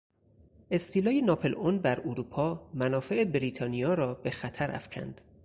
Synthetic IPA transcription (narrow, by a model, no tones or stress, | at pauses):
ʔe̞st̪ʰiːlɒːjenɒːpʰelonbæɾuɾuːpʰɒːmænɒːfe̞ʔebɾiːt̪ʰɒːnijɒːɾɒːbe̞xæt̪ʰæɾʔæ̰fcʰæ̰nd̪̥